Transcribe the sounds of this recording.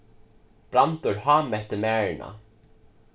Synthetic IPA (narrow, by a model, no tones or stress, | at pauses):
pɾant̪ʊɾhaːmɛht̪ɪmɛːɳa̰